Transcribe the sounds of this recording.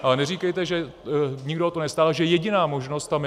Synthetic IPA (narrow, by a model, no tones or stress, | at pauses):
ʔalɛnɛr̝iːkɛjt̪ɛʒɛ | ɲɪɡdoot̪onɛst̪aːlʒɛjɛɟɪnaːmo̞ʒnost̪ːam